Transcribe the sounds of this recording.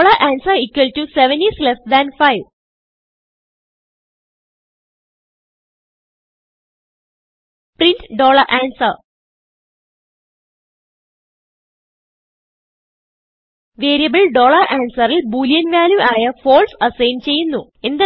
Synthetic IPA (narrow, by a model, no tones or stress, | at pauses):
ɭɐʔaːnsɐikːwʋɐltuseʋɐnislesd̪ɐnfɐjʋ | printɖo̞ːɭɐrʔaːnsɐr | ʋeːɾijɐbɨɭɖoːɭɐrʔaːnsɐrilbuːljɐnʋaːljuʔaːjɐfo̞ːɭsɐsɐjnt͡ɕe̞jːunːu | end̪ɐ